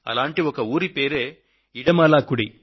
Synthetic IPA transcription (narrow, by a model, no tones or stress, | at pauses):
ɐ̰laːɳʈːiɔkːɐuːɾipeːɾe | ɪɽɐmaːlaːkːʊɽi